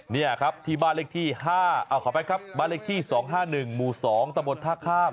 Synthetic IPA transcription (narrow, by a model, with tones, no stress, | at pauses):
ni˥˩lkʰa˦˥p̚t̪ʰiː˧˩baː˥˩nle˦˥˩t̪ʰiː˥˩ɦaː˥˩ʔa˧˩kʰɔː˨˦˩pa˧jkʰa˦˥p̚baː˥˩le˦˥˩t̪ʰiː˥˩sɔː˩˦ŋɦaː˥˩nɯ˨˩ŋmuː˨˩sɔː˩˦ŋt̪a˧mbo˧nt̪ʰaː˥˩kʰaː˥˩m